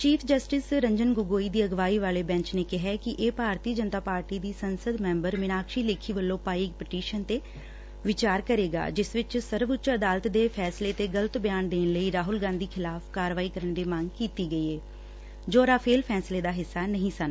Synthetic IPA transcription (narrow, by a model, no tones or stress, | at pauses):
t͡ʃiːpʰd͡ʒəsʈɪsɾəɲd͡ʒənɡʊɡoːiːd̪iːəɡʋaːiːʋaːleːbɛ̃ɲt͡ʃneːkɪɦɛːkɪʔeːpaːɾt̪iːəd͡ʒənt̪aːpaːɾʈiːd̪iːsənsəd̪mɛ̃ːmbəɾmɪnaːkʃiːleːkʰiːʋəlːõːpaːik̚pəʈiːʃənt̪eː | ʋɪt͡ʃaːɾkəɾeːɡa̰ːd͡ʒɪsʋɪt͡ʃsəɾʋʊt͡ʃəd̪aːlət̪d̪eːpʰɛːsleːt̪eːɡələt̪bɪjaːnd̪eːnləiːɾaːɦʊlɡãːnd̪iːkʰɪlaːfʰkaːɾʋaːiːkəɾənd̪iːmãŋɡkiːt̪iːɡəiːeː | d͡ʒoːɾaːpʰeːlpʰɛːsleːd̪aːɦɪsːaːnəɦĩːsən